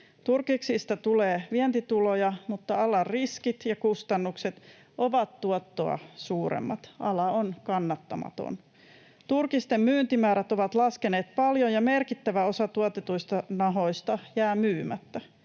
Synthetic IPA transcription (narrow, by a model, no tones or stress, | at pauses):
t̪urkiksist̪ɑt̪uleːʋiɛnt̪it̪ulojɑmut̪ːɑɑlɑrriskit̪jɑkust̪ɑnːukset̪ | ʔoʋɑt̪tuot̪ːo̞ɑ̰suːɾḛmːɑ̰t̪ʔɑlɑonkɑnːɑt̪ːɑmɑ̰t̪o̰n | t̪urkist̪emmyːnt̪imæːɾæt̪oʋɑt̪lɑskeneːt̪pɑljojɑmerkit̪ːæʋæo̞sɑt̪uot̪et̪uist̪ɑnɑɦo̞ist̪ɑjæːmyːmæt̪ːæ